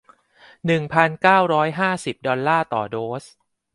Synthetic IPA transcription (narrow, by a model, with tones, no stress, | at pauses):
nɯ˨˩ŋpʰa˧nkaː˥˩wɾɔː˦˥jɦaː˥˩si˨˩p̚dɔ˧nːaː˥˩t̪ɔː˨˩doː˦˥s